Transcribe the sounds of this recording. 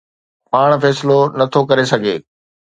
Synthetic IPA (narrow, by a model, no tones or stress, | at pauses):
paːɽ̃fɛːsɪlonɐt̪ʰokɐɾesɐɡʱeː